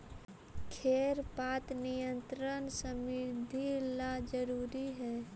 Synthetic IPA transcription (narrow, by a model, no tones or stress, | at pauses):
kʰeːɾpaːt̪nijə̃nt̪ɾənsəmɪɾd̪ʱilad͡ʒəɾuːɾiɦɛː